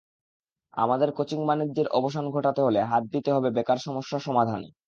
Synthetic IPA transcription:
a̰mad̪eɾkot͡ɕiŋbanid͡ʑːeɾɔboʃanɡʱoʈat̪eɦoleɦat̪̚d̪it̪eɦɔbebekaɾʃɔmoʃːaʃɔmad̪ʱan

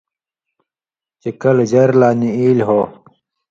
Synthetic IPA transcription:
t͡ɕekɐld͡ʑɐɾlaːniiːlɦoː

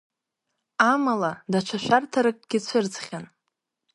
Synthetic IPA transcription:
amaladat͡ʃʷʰaʃʷᶣartʰaɾɨk̚ʼɡʲɪt͡ʃʷʰɨrt͡sχʲan

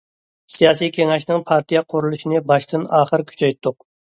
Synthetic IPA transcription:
sijɑːsijkʲʰeŋɛʃnɪŋpʰɑɾt̪ijɛqʰʊɾulˠuʃinɨbɑʃt̪ɨnɑːχəɾkʲʰy̥t͡ʃʰɛjt̪ʰːʊq̚

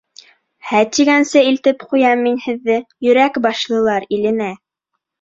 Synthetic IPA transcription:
hæt̪iɡænsɘilt̪ɘpqujɑmːinhɘ̆ðːɘjɵ̆ɾækbɑʃlˠɤ̆lˠɑɾilɘ̆næ

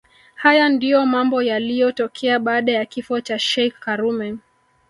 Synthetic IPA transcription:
hajandijɔmambɔjalijɔtɔkʰɛaɓaːɗajakifɔt͡ʃaʃɛkːaɾumɛ

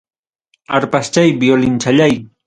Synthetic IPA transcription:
aɾpast͡ʃajbiolɪnt͡ʃaʎaj

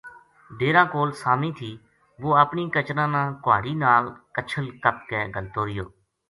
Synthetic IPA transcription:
ɖeːɾãːkoːlsaːmĩːt̪ʰiː | ʋoːəpniːkət͡ʃɾãːnãːkʊa̰ːɽiːnaːlkət͡ʃʰəlkəp̚kɛːɡəlt̪oːɾɪjo̰ː

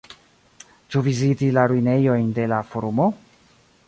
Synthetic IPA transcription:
t͡ʃuvizitilaɾuine̞jo̞jnde̞lafoɾumo̞

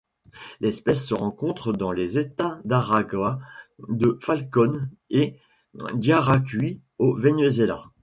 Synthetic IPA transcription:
lɛspɛsːəʁɑ̃kɔ̃t̪χəd̪ɑ̃lezet̪ad̪aʁaɡwad̪əfalkɔne | ɡ̪jaʁakʲɥi | ovenezela̰

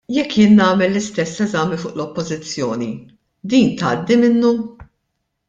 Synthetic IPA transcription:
jɛkːjɪːnːɐːmɛlːɪst̪ɛsːɛzɐmifʊːʔlɔpːɔzɪt͡sːjɔːni | d̪iːnt̪ɐːd̪ːimɪnːu

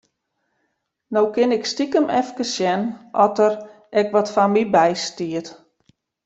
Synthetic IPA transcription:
nowkɪnɪkstikəmɛfkəsjɛnʔɔtəɾ | ʔɛkʋɔtfanmibɛjstiət

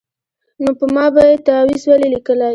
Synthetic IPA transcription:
nopəmɑbajet̪awizwalelikəlaj

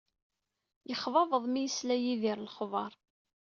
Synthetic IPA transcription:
jəχvɑvəðˤmijəslæjiðiɾlχvˤɑɾˤ

